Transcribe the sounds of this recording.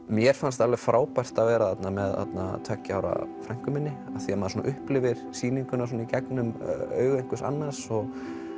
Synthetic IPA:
mjɛɾ̥fanst̪alvɛfɾaːwpajr̥t̪avɛːɾaθat̪namɛða̰t̪na̰t̪ʰœːcaːwɾa̰fɾajŋ̥kʏmɪnːɪaθiamaðsɔnaʔʏhplɪvɪɾ̥siːniŋkʏnas̬wɔnaicɛknʏmœ̰ːɥɣejŋkʏsa̰nːḁsɔɣ

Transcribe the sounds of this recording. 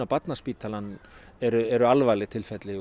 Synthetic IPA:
apat̪naspiːt̪ʰalanː | ɛɾʏɛɾʏalvaːlɪt̪ʰɪlfɛt̪lɪ

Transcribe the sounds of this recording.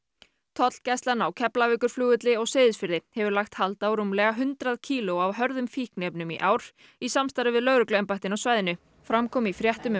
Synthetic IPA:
t̪ʰɔt̪l̥cɛst̪lanawcʰɛplavɪːkʏɾ̥fluːɣʏt̪lɪɔɣsɪːðɪsfɪɾðɪhɛvʏɾlaxt̪halt̪awɾumlɛːɣaɦʏnt̪ɾaðcʰiːlʊawɦœɾðʏmfihknɛpnʏmḭʔaːwɾ̥ | isamst̪aɾɪvɪðlœɣɾʏklɛmpajht̪ɪnɔwsvaːjðɪnʏ | fɾamkʰɔːmifɾjɛht̪ʏm

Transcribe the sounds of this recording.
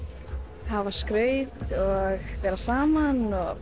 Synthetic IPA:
havaskɾœːɥt̪ɔɣpɛːɾasaːmanɔɣ

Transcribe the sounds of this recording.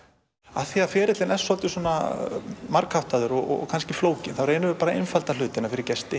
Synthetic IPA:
aθiaðfɛːɾɪt̪lɪnɛsɔlt̪ɪsuɔna | maɾkhaft̪aðʏɾɔɣɔ̰ɣ̰kʰanscɪfloːwcɪnθavreːjnʏvʏpaːɾaḛjnfalt̪al̥ʏːt̪ɪnaɾfɪɾɪɾcɛst̪ɪ

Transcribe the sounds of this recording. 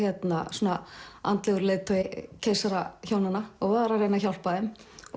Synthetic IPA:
ɛt̪nasoːnaa̰nt̪lɛɣʏɾleːjðt̪ʰɔɪcʰeːjsaɾaçoːwnanːaɔɣvaðɾaɾrejnaçawlpaðɛm

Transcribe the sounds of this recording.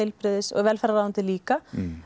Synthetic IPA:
ejlpɾɪðɪsɔ̰ɣvɛːlfɛɾaðaant̪ɪliːka

